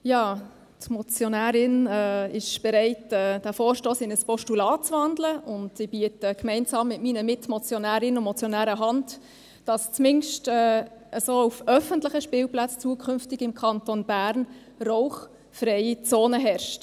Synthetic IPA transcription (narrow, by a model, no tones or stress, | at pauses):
jɑː | tmɔt͡sjonæːɾɪnɛɪʃb̥ɛɾɛɪtɛːd̥æfoːɾʃtoːsɪnəspɔʃtulɑːt͡sʋɑndləʊndsibiətəkmɛɪnsɑːmːɪtmiːnəmɪtmɔt͡sjɔnæːɾɪnəmɔt͡sjɔnæːɾəɦɑnd | d̥ɑst͡smɪnʃtɛːəsoːufœfəntlɪχəʃpɪːlplɑt͡st͡suəkʰʏnftɪɡɪmkʰɑntonb̥æːɾn | roʊχ | fɾɛɪt͡soːnəɦɛɾʃt